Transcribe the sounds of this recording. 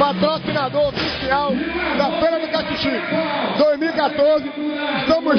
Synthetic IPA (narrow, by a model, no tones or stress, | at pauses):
pat̪ɾosinad̪oɾofisiawd̪ɐfeɾɐd̪ʊkakuʃĩd̪ojzmiwikat̪oɾzɪɪʃt̪ɐ̃mʊ